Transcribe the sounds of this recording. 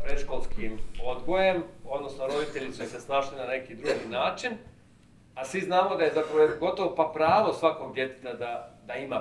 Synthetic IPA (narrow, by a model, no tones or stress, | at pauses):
pɾeʃkolˠskimod̪ɡo̞je̞mo̞d̪no̞snoɾo̞d̪it̪e̞ʎisuisesnaːʃlinane̞kid̪ɾuɡinaːt͡ʃin | asʋiznaːmod̪aje̞zapɾaʋoɡo̞t̪oʋopapɾaːʋosʋako̞ɡ̚d̪je̞t̪e̥t̪ad̪ad̪aima